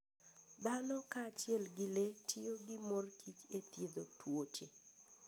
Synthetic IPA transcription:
d̪anɔkaːt͡ʃɪɛlɡɪletʰɪoɡɪmorkʰit͡ʃet̪jed̪otwot͡ʃe

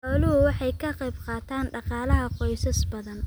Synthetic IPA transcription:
ɔlɪhʊwɑħɑjkʰɐqɑjbqɑːt̪ʰaːnɖɑqɑːlɐɦɐqɔjsɐsbɐðɐn

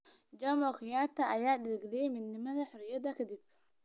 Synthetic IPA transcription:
d͡ʒɐmɔqɪjaːt̪ʰɐɐjaːdɪlɡɪlɛjɛmɪd̪nɪmɐðɐħʊrɪjɐd̪ɐkʰɐd̪ib̚

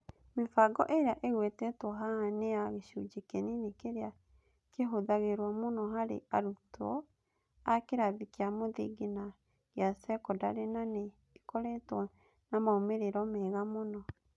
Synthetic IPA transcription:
mefaɡɔ̰ʔeɾeaʔeɣwetɛtɔɦaneaɣeɕud͡ʒekeninekeɾea | keɦoðaɣeɾwamonɔɦaɾḛaɾutɔ | akeɾaðikeamoðḭɡena | ɣeasɛkɔdaɾenaneː | kɔɾɛtwɔ | namaomeɾeɾɔmɛɣamonɔ

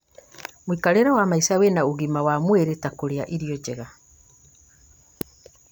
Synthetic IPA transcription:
mwikaɾeɾawamaisawenauɣimawamweɾetakoɾea̰ʔiɾiɔd͡ʒeɣa

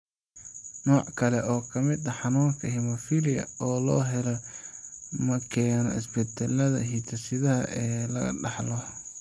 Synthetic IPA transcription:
nɔːʕkʰɐlɛʔɔːkʰɐmɪd̪ɐħɑnuːŋkʰɐɦimɐfilɪjɐ̰ɔːlɔːɦɛlɔ | mɐkʰɛːnɔ̰ɪ̰sbɛt̪ʰɛlɐðɐ̰ɦit̪ʰɐsɪðɐɦɐ̰ʔɛːlɐɣɐ̰ɖɑħlɔ

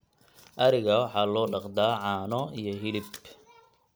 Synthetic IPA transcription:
ʔɐɾɪɣɐwɑħɑːlɔːɖɑqd̪aːʕɑːnɔijɔɦɪlɪb

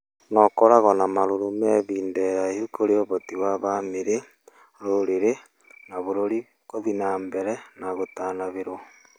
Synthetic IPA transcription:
nɔkoɾaɣɔnamaɾoɾumɛβiːndɛɾaehukoɾeoβotiwaβameɾe | ɾoɾeɾe | naβoɾoɾi | koðinaːmbɛɾɛnaɣotaːnaβeɾo

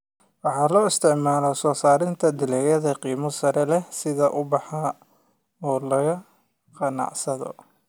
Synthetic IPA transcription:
wɑħɑːlɔːɪst̪ʰɪʕmaːlɔsɔːsaːɾɪnt̪ʰɐd̪ɪlɛjɐðɐqiːmɔsɐɾɛlɛsɪðɐʔʊbɑħɑ | ɔːlɐɣɐ | qɑnɑ̰ʕsɐðɔ̰

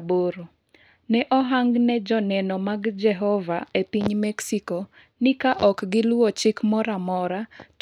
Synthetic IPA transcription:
boɾo | nɛʔɔɦaŋɡnɛd͡ʒɔnɛnɔmaɡd͡ʒɛɦɔvaepiɲmɛksikɔ | nɪkaʔɔkɡɪlwwɔt͡ʃɪkmɔɾamɔɾa

